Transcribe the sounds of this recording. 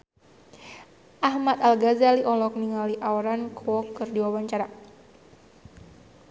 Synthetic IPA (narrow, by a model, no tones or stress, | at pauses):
ʔahmat̪alɡazaliʔɔlɔk̚niŋaliʔaɔɾankʰwɔkːɨrdiwawaɲt͡ʃaɾa